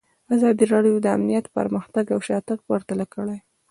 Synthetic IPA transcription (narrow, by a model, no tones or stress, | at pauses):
azɑd̪iɾɑɖjod̪əa̰mnijat̪pə̰ɾməxt̪aɡawʃɑt̪akəɾt̪alakəɽaj